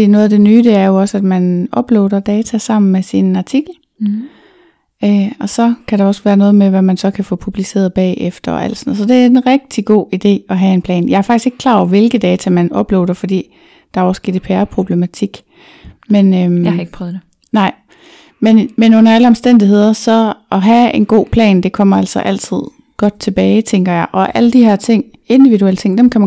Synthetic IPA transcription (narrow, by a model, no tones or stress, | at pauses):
inɔ̽ːðˠæd̥e̝nyːd̥e̝æɐjo̝ɒ̽sæd̥mænɒ̽b̥lḛːd̥ɐd̥ɛːt͡sʰæsɑ̈m̰n̩mesinɑ̈t͡sʰiɡ̥l̩ | øɒ̽sɒ̽kʰæɾ̥ɑ̈ɒ̽sʋæːɐnɔ̽ːð̩ˠmeʋæmænsɒ̽kʰæfɔ̰̽ːpʰub̥lise̝̰ːɐðˠb̥ɛ̰ːefd̥ɐɒ̽æ̰l̰d̥sɒnð̩ˠsɒ̽d̥e̝æɐe̝nʁɛɡ̥̚d̥iɡ̥o̝̰ːid̥e̝̰ːɒ̽ɦæe̝npʰlɛ̰ːnjɑ̈ɪæɐfɑ̈ɡ̥isɡ̥e̝ɡ̥̚kʰlɑ̰̈ːɒʋe̝lɡ̥ðˠd̥ɛːt͡sʰæmænɒ̽b̥lḛːd̥ɐfɒ̽d̥ḭː | d̥ɑ̈æɐɒsɡ̥e̝̰ːd̥ipʰæːɐpʰʁo̝b̥le̝mæt͡sʰiɡ̥ | menøheɡ̥pʰʁœðe | nɑ̈ɪ̰ | menmenɔ̽n̰ɐæləɒmsd̥en̰d̥iɦe̝ð̞̰ˠɐsɒ̽ɒ̽ɦæenɡ̥o̝̰ːpʰlɛ̰ːnd̥e̝kʰɒ̽m̰ɐæl̰sɒ̽ʔæl̰t͡sʰið̞̰ˠ | ɡ̥ɒ̽d̥̚t͡sʰe̝b̥ɛːɪt͡sʰeŋɡ̥ɐjɑ̈ɪʔɒ̽ʔæləd̥ihæɐ̰t͡sʰe̝ŋ̰ | e̝nd̥iʋiɾuel̰t͡sʰe̝ŋ̰d̥emkʰæmæ